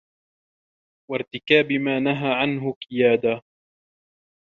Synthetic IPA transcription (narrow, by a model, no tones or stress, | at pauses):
waɾt̪ɪkaːbɪmaːnaɦaːʕanɦʊqɪjaːd̪a